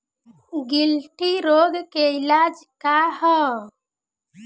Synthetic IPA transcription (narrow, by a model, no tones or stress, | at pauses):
ɡilʈiɾoːɡkeilad͡ʒkaɦə̃